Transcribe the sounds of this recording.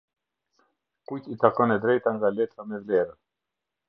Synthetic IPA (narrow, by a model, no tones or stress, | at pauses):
kucit̪akɔnɛd̪ɾɛjt̪aŋɡalɛt̪ɾamɛvlɛɾə